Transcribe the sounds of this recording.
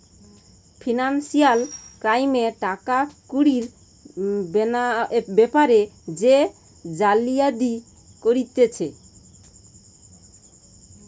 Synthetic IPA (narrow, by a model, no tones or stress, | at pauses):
pʰinansialkɾajmeʈakakuɾiɾ | benabepaɾed͡ʑe | d͡ʑalijad̪i | koɾit̪et͡ɕʰe